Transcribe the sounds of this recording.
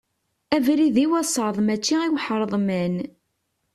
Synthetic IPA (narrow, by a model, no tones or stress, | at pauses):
ævɾiðiwæsˤəðˤmæt͡ʃːiiwħɾˤðˤmæn